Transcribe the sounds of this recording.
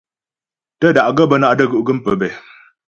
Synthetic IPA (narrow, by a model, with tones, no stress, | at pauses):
tə˦˨da˨ʔɡə˦˨bə˦na˦ʔdə˦˨ɡə˦˨ʔɡə˦m˦pə˨bɛ˨